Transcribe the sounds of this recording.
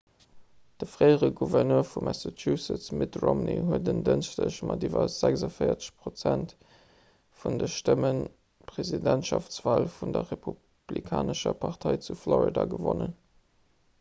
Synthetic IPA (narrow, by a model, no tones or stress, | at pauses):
d̥əfʁɜɪəʁəɡuvɛʁnøːɐfumʔæsatʰjusət͡smitʁomniɦuədəndənʃtəɕmɑdivɐz̥ækzɑfəɪɐt͡sə̥ɕpʁot͡sænt | fundəʃtəmən | pʁezidæntʃɑft͡sv̥aːlfundɐʁepʰu | b̥likʰaːnəʃɐpʰɑʁtʰɑɪt͡suflɔʁidɑɡəvonən